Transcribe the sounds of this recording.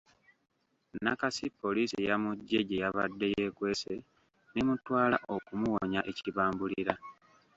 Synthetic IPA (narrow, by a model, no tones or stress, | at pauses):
nakasipːo̞liːsijamuɟːe̞ɟe̞jaβadːe̞je̞ːkwe̞ːse̞ | nemutwaːla̰ʔo̞kumuwoɲaʔe̞ciβaːmbuliɾa